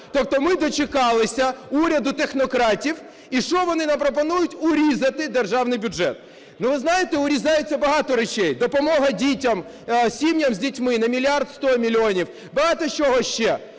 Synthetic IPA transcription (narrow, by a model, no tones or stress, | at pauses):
t̪ɔp̚t̪ɔmɪd̪ɔt͡ʃɪkɑlˠɪsʲɐuɾʲɐd̪ʊt̪exnɔkɾɑtʲiw | iʃɔʋɔnɪnɐmpɾɔp̬ɔnujʊtʲʊɾʲizɐt̪ɪd̪erʒɑwnɪjbʲʊʒɛ̰t̪̚ | nuʋɪznɑjɪt̪ɛʊɾʲizɑjet͡sʲːɐbɐɦɑt̪ɔɾɛt͡ʃɛjd̪ɔpɔmɔɦɐdʲitʲɐm | sʲimnʲɐmzʲdʲitʲmɪnɐmʲilʲiart̪st̪ɔmʲilʲiɔnʲiw | bɐɦɑt̪ɔt͡ʃɔɦɔʃt͡ʃɛ